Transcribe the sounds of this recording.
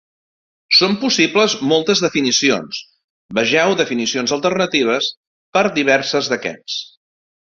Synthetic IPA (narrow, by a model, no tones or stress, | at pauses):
sompusipləzmolˠt̪əzðəfinisio̰ns | bəʒɛwðəfinisionzəlˠt̪ərnət̪iβ̞əs | pəɾðiβ̞ɛɾsəzðəkɛ̰s